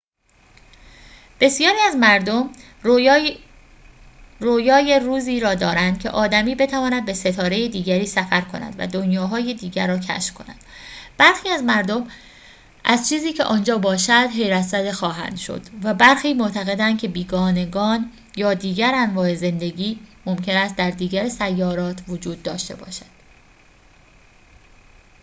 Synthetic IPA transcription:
b̥e̞sijɒːɾiːæzmæɾd̪om | roːjɒːje̞ɾuːziːɾɒːd̪ɒːɾænd̪̥cʲʰe̞̰ʔɒːd̪æmiːbe̞t̪ʰævɒːnæd̪̚be̞se̞t̪ʰɒːɾe̞jed̪iːɟæɾiːsæfæɾkʰo̞næ̰d̪væ̰d̪o̞njɒːɦɒːje̞d̪iːɟæɾːɒːcʰæ̰ʃfkʰo̞̰næ̰nd̪̥b̥æɾxiːæzmæɾd̪om | ʔæzt͡ʃʰiːziːcʰe̞̰ʔɒːnd͡ʒɒːbɒːʃæd̪̥ɦe̞jɾæt̪zæd̪exɒːɦæ̰nd̪̥ʃo̰d̪̥væbæɾxiːmoʔt̪ʰæɣe̞d̪ænd̪̚cʰe̞biːɡɒːne̞ɡɒːn | jɒːd̪iːɡæɾænvɒːe̞ze̞nd̪e̞ɟiːmo̞mcʰe̞næst̪̚d̪æɾd̪iːɡæɾsæjːɒːɾɒːt̪ʰvod͡ʒuːd̪̚ːɒːʃt̪e̞̰bɒ̰ːʃæ̥d̪̥

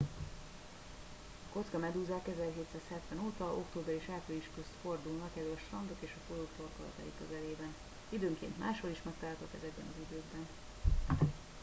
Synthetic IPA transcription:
ɒko̞t̪skɒmɛd̪uːzaːkɛzɛlɦeːt̪saːshɛt̪ʋɛnoːt̪ɒʔo̞kt̪oːbɛɾiʃaːpøliʃkøst̪fo̞rd̪ulnɒkɛlɒʃt̪rɒnd̪o̞keːʃɒfolokt̪olkɒlɒ̰t̪a̰ːjikøzɛleːbɛn | id̪øːŋkḛːnt̪maːʃho̞liʃmɛkt̪alt̪okɛzɛbːɛ̰nɒzid̪øːɡbɛn

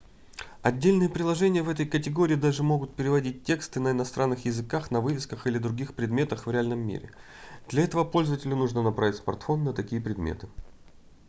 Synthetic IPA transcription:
ɐdʲːelʲnɨjəpɾʲɪlˠɐʐɛnʲɪjəvɛt̪əjkətʲɪɡo̞ɾʲɪːd̪aʐɨmo̞ɡʊt̪̚pʲɪɾʲɪvɐdʲit̚ʲtʲːe̞kst̪ɨnəɪnɐst̪ɾʔanːɨxjɪzɨkaxnɐvɨvʲɪskəxɨlʲɪd̪ɾʊɡʲixpɾʲɪd̪mʲe̞t̪əxvɾʲɪalʲnəmːʲḭɾʲɪ̰ | d̪̥lʲɐɛt̪əvəpo̞lʲzəvətʲɪlʲʊnuʐnənɐpɾavʲɪtʲsmɐ̰rt̪fo̞nːət̪ɐkʲijəpɾʲɪd̪mʲḛt̪ɨ̥

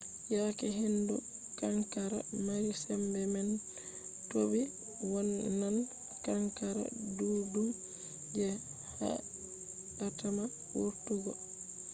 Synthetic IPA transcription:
jaːkɛɦindu | kaŋkaɾa̰maɾisɛmbɛman | tobi | wɔlːan | kaŋkaɾa̰dudum | d͡ʒɛ | ha̰ | latama | wuɾtuɡɔ

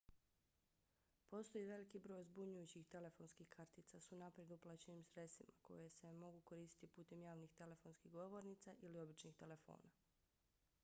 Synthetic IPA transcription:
po̞st̪o̞jiʋe̞likibɾo̞ːjzbuɲujut͡ɕixt̪e̞le̞fo̞ːnskixkʰaɾt̪it̪sasunapɾjed̪uplˠat͡ɕe̞nimsɾesḭma̰ko̞̰je̞se̞mo̞ɡuko̞ɾiːsi̥t̪ipuːt̪e̞mjaːʋnixt̪e̞le̞fo̞nskiɣɡo̞ʋo̞ɾnit̪saʔilio̞bit͡ʃnixt̪e̞le̞fo̞̰ːna

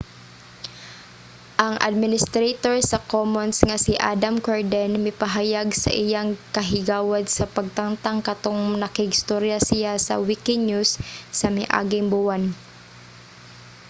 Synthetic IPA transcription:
ʔɐŋʔa̰d̪̚mɪnɪst̪ɾet̪oɹsɐkomonsŋɐsɪʔa̰d̪amkoɹd̪ɛnmɪpɐɦajaɡsɐ̰ʔɪjaŋkɐɦɪɡaːwad̪̚sɐpɐɡ̚t̪aŋt̪aŋkɐt̪oŋnɐkɪɪɪst̪oɾjasɪjasɐ̰wikɪɲusːɐmɪʔa̰ɡɪŋbʊwan

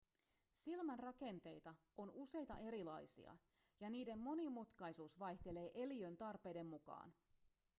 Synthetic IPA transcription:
silmænrɑke̞nt̪e̞jt̪ɑ | o̞nuse̞jt̪ɑʔe̞ɾilɑ̰jsḭɑ̰ | jɑniːde̞mːo̞nimut̪kɑjsuːsʋɑjçt̪e̞le̞ːʔe̞liø̞nt̪ɑrpe̞jde̞mmukɑ̰ːn

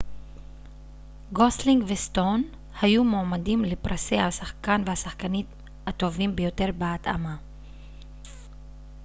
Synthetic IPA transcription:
ɡosliŋɡvest̪o̞n | hajumoːmadimlepʁasejhasaχkanvehasaχkanim | hat̪o̞vimbejo̞te̞ʁbeat̪a̰ma

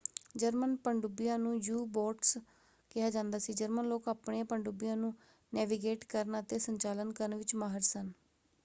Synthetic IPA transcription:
d͡ʒəɾmənpəɳɖubɪjãːnũːjuːboːʈs | kɪɦaːd͡ʒãːnd̪aːsiːd͡ʒəɾmənloːkaːpɳeːpəɳɖubɪjãːnũː | nɛːʋiːɡeːʈkəɾnət̪eːsəɲt͡ʃaːlənkəɾənʋɪt͡ʃmaːɦəɾsən

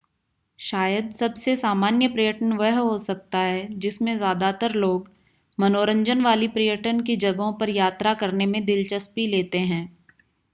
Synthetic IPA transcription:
ʃaːjəd̪sɐbsesaːmaːnjəpɾijəʈənʋɛɦɦosɐk̚t̪aɦɛd͡ʒɪsmẽzjaːd̪at̪əɾloːɡ | mɐnoːɾə̃ɲd͡ʒənʋaːlipɾijəʈənkid͡ʒɐɡõpɐɾjaːt̪ɾakɐɾnemẽd̪ɪlt͡ʃəspileːt̪eɦɛ̃ː

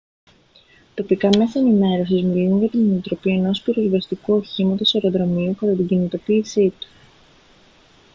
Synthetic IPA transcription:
t̪o̞pikɐme̞sɐenime̞ɾo̞sizmilunʝɐt̪ineit̪ɾo̞pie̞no̞spiɾozvɐst̪ikuo̞çimɐt̪o̞se̞ɾo̞ðɾo̞miukɐt̪ɐt̪iɟinit̪o̞piːsit̪u̥

